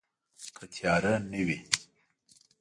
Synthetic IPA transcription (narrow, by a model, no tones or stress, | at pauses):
kʰət̪ʰjɑɾanəwi